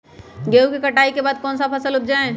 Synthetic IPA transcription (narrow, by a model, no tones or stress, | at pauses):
ɡeːukekəʈaːikebaːd̪̚kɔːnsapʰəsəlʊp̚d͡ʒaːẽ